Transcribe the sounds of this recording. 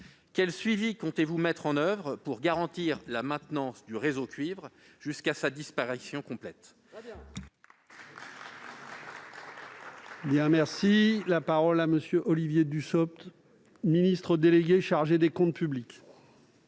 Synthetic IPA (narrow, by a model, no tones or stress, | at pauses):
kʲɛlsɥivikɔ̃t̪evumɛt̪χɑ̃nœvʁpuʁɡaʁɑ̃t̪iʁlamɛ̃t̪nɑ̃sd̪yʁezokʲɥivʁʒ̥yskasad̪ispaʁisjɔ̃kɔ̃plɛt̪ | bjɛ̃mɛʁsilapaʁɔlaməsjøʔɔlivjed̪ysɔp̚t̪ | minist̪χəd̪eleɡʲeʃaʁʒed̪ekɔ̃t̪̚pyblikʲ